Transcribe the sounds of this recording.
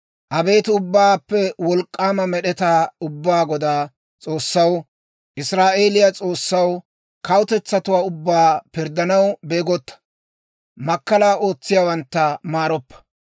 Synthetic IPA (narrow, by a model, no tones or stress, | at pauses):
ʔɐbe̞ːt̪ɪʊbːaːpːɛwɔlkʼːaːmɐmɛɗɛt̪aːʊbːaːɡɔd̪aː | t͡sʼo̞ːsːɐw | ʔɪsɾaːʔe̞ːlɪjat͡sʼo̞ːsːɐw | kɐwt̪ɛt͡sːɐt̪ʊwaːʊbːaːpɪɾd̪ɐnɐwbe̞ːɡɔt̪ːɐ̥ | mɐkːɐlaːʔo̞ːt͡sːɪjawɐnt̪ːɐmaːɾɔpːɐ̥